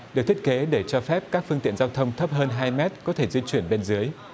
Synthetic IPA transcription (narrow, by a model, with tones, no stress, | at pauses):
ɗɨ˨˩k̚t̪ʰt̚ke˨˦ɗe˧˩t͡ɕɔ˧fɛ˦˥p̚kaː˦˥k̚fɨ˧əŋt̪ḭ˧˨ənzaː˧wt̪ʰə˧wŋ͡mt̪ʰə˦˥p̚ɦəː˧nɦaː˧jmɛ˦˥t̚kɔ˨˦t̪ʰe˧˩zwi˧t͡ɕwi˧˩ənɓe˧nzɨ˨˦əj